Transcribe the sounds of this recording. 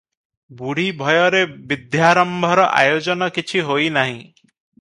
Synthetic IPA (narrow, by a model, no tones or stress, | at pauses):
buɽ̤ibʱɔjɔɾebid̪jaɾɔmbʱɔɾɔʔa̰jod͡ʒɔnɔkit͡ʃʰiɦojnaɦĩ